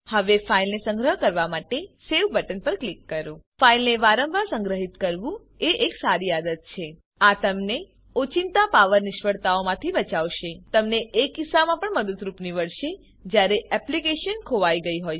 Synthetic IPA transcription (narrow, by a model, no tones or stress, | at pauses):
həʋefailnesə̃ŋɡɾəɦkəɾʋamaʈeseʋbəʈənpəɾklikːəɾũfailneʋaɾəmbʱasə̃ŋɡɾəɦit̪kəɾʋũ | eʔeksaɾiad̪ət̪̚t͡ʃʰe | at̪əmne | ot͡ʃint̪apaʋəɾnɪʃʋəɽt̪aomãt̪ʰibət͡ʃaʋʃet̪əmneʔːkisamãpəɳməd̪ət̪ɾupniʋəɽʃe | d͡ʒjaɾeɛplikeʃənkʰoʋaiɡəiɦoj